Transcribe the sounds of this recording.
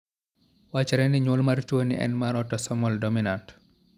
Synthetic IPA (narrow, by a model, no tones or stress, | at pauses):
wat͡ʃːɛɾɛniɲɔːlmaɾt͡ʃonḭʔɛ̰nmaɾɔtɔsɔmɔldɔminant